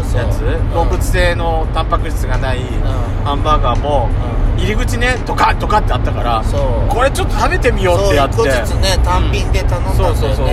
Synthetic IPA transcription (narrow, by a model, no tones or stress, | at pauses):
jat͡sɨɡobɯ̟t͡sɨ̥se̞ːno̞t̪ãmpakɯ̟ɕi̥t͡sɨɡanai | hãmbaːɡaːmo̞ | iɾʲiɡɯ̟t͡ɕine̞t̪o̞kat̪ːo̞kat̪ːeat̪ːakaɾaoko̞ɾe̞t͡ɕo̞t̪ːot̪abe̞t̪e̞mʲijo̞ːeat̪ːenet̪ãmpʲĩnd̪et̪anõso̞ːsoso